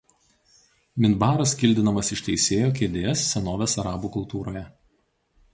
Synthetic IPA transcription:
mʲɪnbɑːɾɐskʲɪlʲd̪ʲɪnɐmɐsɪʃt̪ʲɛɪsʲeːjoːkʲeːd̪ʲeːsːʲɛnoːʋʲeːsɐɾɑːbuːkʊlˠt̪uːɾoːjɛ

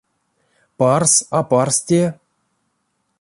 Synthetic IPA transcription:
pɑrsaparstʲe

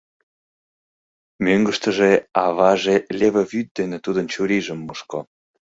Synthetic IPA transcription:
møŋɡəʃt̪ə̆ʒeɑβɑʒelʲeβə̆βyt̪̚d̪enet̪ud̪ənt͡ɕuɾiʒəmːuʃko

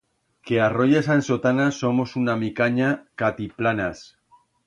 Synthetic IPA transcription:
kearoʝasansot̪anaso̞mosunamikaɲakat̪iplanas

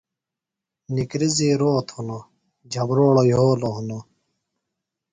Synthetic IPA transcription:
nikɾiziːɾoːt̪huno | d͡ʑʱɐbɾoːɭojoːloɦuno

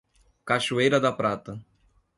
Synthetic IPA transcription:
kaʃuejɾɐd̪ɐpɾat̪ɐ

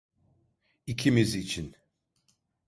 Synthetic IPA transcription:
icʰimizit͡ʃʰin

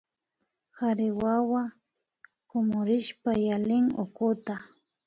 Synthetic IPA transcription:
xaɾɪwawa | komʊɾɪʃpajalɪŋo̰kʊt̪a

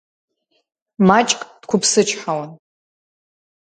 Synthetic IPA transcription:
mat͡ʃʼkʼd̥kʷʰʊpʰsɨt͡ʃʰħawan

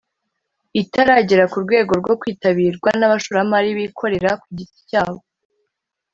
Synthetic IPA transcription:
itaɾaɟiɾakuɾɡwe̞ːɡo̞ɾɡwo̞kwiːtaβiːɾɡwanaβaʃuːɾamaɾiβikʰo̞ɾe̞ɾakwiɟiti̥caːβo

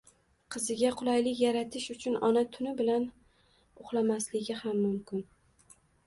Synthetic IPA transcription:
qʰɨzɪɡʲaqʰʊlˠajlɪkʲjaɾat̪ʰɪʃʊt͡ʃʰʊnɒnat̪ʰʊnɪbɪlan | ʊχlˠamaslɪɡʲɪhamːʊmkʲɪn

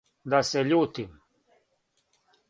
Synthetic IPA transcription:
d̪asɛʎuːt̪im

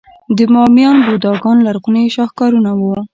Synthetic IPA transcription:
d̪əmɑmjɑnbod̪ɑɡɑnlaɾɣuneʃɑxkɑɾunawu

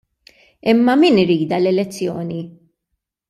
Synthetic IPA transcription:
ɪmːɐmiːnɪɾiːd̪ɐlɛlɛt͡sːjɔːni

